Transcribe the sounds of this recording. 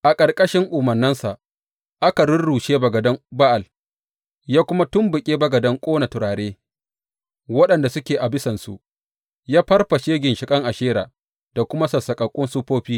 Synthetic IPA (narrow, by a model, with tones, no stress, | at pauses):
ʔa˨kʼɐ˨rkʼɐ˦ʃɪ˦ŋʔʊ˨mɐ˨rnːɐ˦nsa˨ʔ | ʔa˦ka˨ɽʊ˦rɽuː˨ʃeː˦bɐ˨ɡɐ˨dɐ˦ŋba˦ʔa˨l | jaː˦kʷʊ˦ma˦tʊ˦mbʊ˨kʲʼeː˦bɐ˨ɡɐ˨dɐ˦ŋkʷʼoː˦na˨tʊ˨ɾaː˨ɽeː˦ | wɐ˦ɗɐ˨nda˨sʊ˦kʲeː˨ʔa˨bɪ˦sɐ˨nsu˨ʔ | jaː˦ɸɐ˦rɸɐ˨ʃeː˦ɡʲɪ˨nʃɪ˨kʼɐ˦ŋʔa˨ʃeː˦ɾaː˨ | d̥a˨kʷʊ˦ma˦sɐ˨sɐ˨kʼɐ˨kʷʼʊ˦nsu˦ɸoː˦ɸiː˦